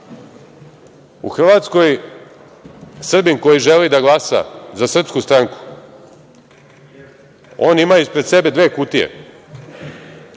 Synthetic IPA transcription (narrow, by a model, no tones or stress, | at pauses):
ṵxr̩ʋat̪sko̞j | sr̩biŋko̞jiʒelid̪aɡlˠasa̰zasr̩pskust̪ɾaŋku̥ | o̞ːnimaispɾe̞d̪se̞be̞d̪ʋe̞ːkut̪ijḛ